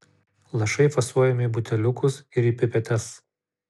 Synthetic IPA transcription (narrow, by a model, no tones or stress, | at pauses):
lˠɐʃɐɪfɐsuɔjɛmʲɪbʊt̪ʲɛlʲʊkʊsɪɾiːpʲɪpʲɛt̪ʲɛs